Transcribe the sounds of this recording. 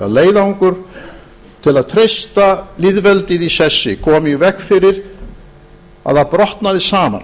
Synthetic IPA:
a̰leːjðauŋkʏɾ̥ | t̪ʰɪlaðt̪ʰɾejst̪alɪðvɛlt̪ɪðisɛsːɪkʰɔːmɪvɛkfɪɾɪɾ̥ | a̰ðhapɾɔht̪naðɪsaːma̰n

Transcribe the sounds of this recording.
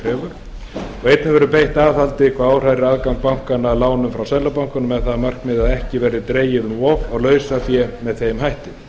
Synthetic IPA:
ɾɛːvʏɾ̥ | ɔɣejt̪nɪvɛɾʏpejht̪aːvθalt̪ɪkʰvaːaːwr̥ajɾɪaðkawŋk̚pawŋ̥kanalaːwnʏmfɾawsɛlːapawŋ̥kʏnʏmɛðθaðmar̥kmɪðaðɛhcɪvɛːɾɪt̪ɾeːjɪðʏmɔvaɣlœːɥsafjɛmɛðθejmɦajht̪ɪ

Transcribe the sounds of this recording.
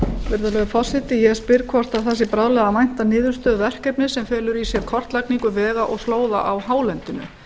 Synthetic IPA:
vɪɾðʏlœɣʏfɔ̥sɪt̪ɪjɛspɪɾkʰvɔr̥t̪aðθɛs̬ːɪpɾaːðlɛɣðamajn̥t̪anɪːðʏɾ̥st̪œːðvɛr̥kɛpnɪsɛmfɛːlʏɾisjɛɾkʰɔr̥t̪lajkniŋkʏvɛːɣaʔɔɣsloːwða̰ʔawhaːwlɛnt̪ʏnʏ̰

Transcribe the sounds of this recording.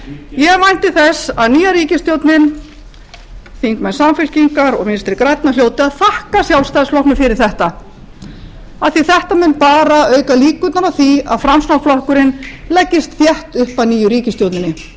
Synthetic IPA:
jɛɣmajn̥t̪ɪθɛsaðniːjaɾiːcɪst̪jowt̪nɪn | θiŋkmɛnsamfɪl̥ciŋkaɾɔɣmɪnst̪ɾɪkɾajt̪naljoːwt̪ɪaðθahkasjawlst̪ajslɔhkmʏfɪɾɪɾ̥θɛht̪a | aðθiθɛht̪amɪnpaːɾaœːɥkaliːkʏt̪naɾaθia̰ðfɾamsnawflɔhkʏɾɪnlɛcːɪst̪θjɛht̪ʏhpaðniːjʏɾiːcɪst̪jowt̪nɪnːɪ

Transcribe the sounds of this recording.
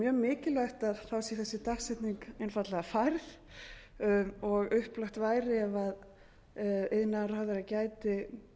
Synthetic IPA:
mjœːɣmɪːcɪlaht̪aðθawsiθɛsːɪt̪aksɛt̪niŋkɪnfat̪lɛɣafajɾθ | ɔɣʏhplaxt̪vaːjɾɪɛvað | eðnar̥aðɪɾacaːjt̪ɪ

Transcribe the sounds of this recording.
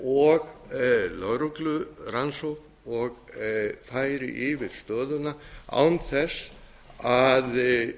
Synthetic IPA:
ɔɣlœwɾuklʏɾansowp | ɔɣfajɾɪ̰ʔɪvɪðst̪œːðʏnaa̰wnθɛs | að

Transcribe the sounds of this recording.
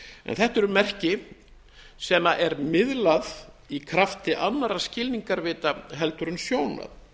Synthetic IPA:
ɛ̰nθɛht̪ɛɾʏmɛr̥cɪ | sɛmaʔɛɾmɪðlað | ikʰɾaft̪ɪʔanːaɾḁscɪlniŋkaɾvɪːt̪aɦɛlt̪ʏɾʏnsjoːwna̰ð

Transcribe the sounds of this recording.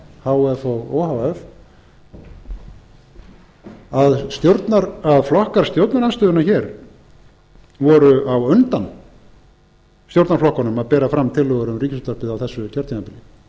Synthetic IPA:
hawɛfɔɣɔ̰ːwhawɛf | aðst̪jowɾt̪naɾaðflɔhkaɾ̥st̪jowt̪naɾanst̪ʏːðʏnaçɛɾ | vɔɾʏʔawʏnt̪an | st̪jowɾt̪naɾflɔhkɔnʏmaðpɛːɾafɾamt̪ʰɪlɔɣɛɾʏmriːcɪst̪aɾpɪðawθɛsːʏcʰœɾt̪inapɪlɪ

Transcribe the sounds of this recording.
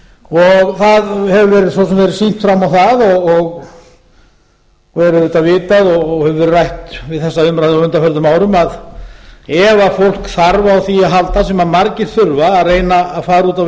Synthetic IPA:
ɔɣθaðhɛvʏvɛːɾɪðsvɔsɛmvɛɾɪsin̥t̪fɾamawθaðɔɣɔɣ | vɛɾʏðɪt̪avɪːt̪aðɔɣɣhɛvʏrajht̪vɪðθɛsːaʏmɾajðɪawʏnt̪afœlðʏmaːwɾʏmað | ɛvafowl̥kθaɾvaːwθiaɦalt̪asɛmaðmaɾcɪɾ̥θʏɾvaːðreːjnaaðfaːɾuːt̪a

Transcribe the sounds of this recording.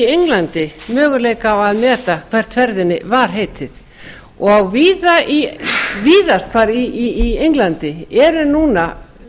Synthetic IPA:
ejŋlant̪ɪmœːɣʏleːjkaawaðmɛːt̪akʰv̥ɛr̥t̪ʰfɛɾðɪnːɪ̰vaɾ̥ɦeːjt̪ʰɪð | ɔɣawviːðaiviːðast̪̚kʰaːɾiiːejŋklant̪ɪɛɾʏnuːna

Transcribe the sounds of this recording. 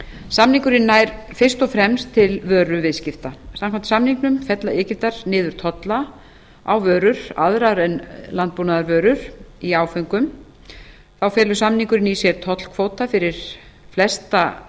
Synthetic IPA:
samniŋkʏɾɪnːajɾfɪr̥st̪ɔfɾɛmst̪ʰːɪlvœːɾʏvɪðscɪft̪asamkʰant̪ɪ̥samniŋknʏmfɛt̪laɪːcɪft̪aɾ̥nɪːðʏɾ̥t̪ʰɔt̪la | awvœːɾʏɾ̥a̰ðɾaɾɛnlant̪̚puːnaðaɾvœːɾʏɾ̥iaːwfœŋkʏm | θawfɛːlʏsamniŋkʏɾɪnisjɛɾ̥t̪ʰɔt̪l̥kʰvoːwt̪afɪɾɪɾ̥ | flɛst̪a

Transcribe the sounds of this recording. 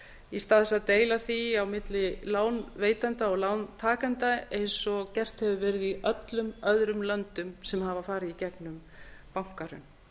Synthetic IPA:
ist̪aːðɛsaðt̪eːjlaθiawmɪt̪lɪlaːwnveːjt̪ant̪aɔɣlaːwnt̪ʰaːkant̪aejnsɔcɛr̥t̪hɛvʏvɛːɾɪðiʔœt̪lʏmœðɾʏmlœnt̪ʏmsɛmhavafaːɾɪicɛknʏm | pawŋ̥kaɾʏ̰m

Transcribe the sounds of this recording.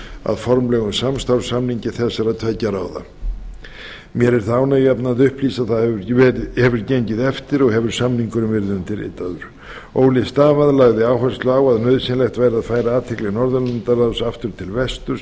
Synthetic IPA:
a̰ðfɔɾmlɛɣʏsamst̪awɾ̥samniɲcɪθɛsːaɾaðt̪ʰvɛcːaɾaːwða̰ | mjɛɾɛɾ̥θaaːwnajapnaːðʏhpliːsaðθaɛhɛvʏɾceɲcɪðɛft̪ɪɾɔɣɦɛvʏɾ̥samniŋkʏɾʏmvɪɾðʏnt̪ʰɪɾɪ̰t̪ːaðʏɾ̥ | oːwlɪst̪aːvaðlaɣðɪaːwɦɛl̥st̪lʏaːwaðnœðsɪnlɛxt̪vajɾɪaðfaːjɾaaːt̪ʰɛklɛɣnɔɾðʏlant̪aɾawsaft̪ʏɾ̥t̪ʰɪlvɛst̪ʏɾ̥

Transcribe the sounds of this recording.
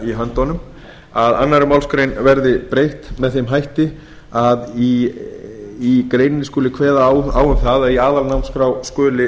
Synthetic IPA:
iɦœnt̪ɔnʏm | aðanːaɾʏmawlskɾejnvɛɾðɪpɾejht̪mɛðθejmɦajht̪ɪ | aði | ikɾeːjnɪnɪskoːlɪkʰvɛːðaawʏmθaðaðiaːðalnawmskɾawskœːlɪ

